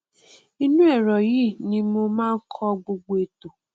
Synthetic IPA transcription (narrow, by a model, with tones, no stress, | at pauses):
i˦nũ˦ɛ˦˨ɾɔ˨ji˦nĩ˧mo˧mãː˦ŋ̩˦kʰɔ˦ɡ͡bo˨ɡ͡bo˨e˨to˨